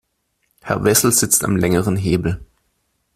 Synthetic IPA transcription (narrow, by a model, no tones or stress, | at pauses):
hɛɐvɛsl̩z̥ɪt͡sta̰mlɛŋəʁənɦeːbl̩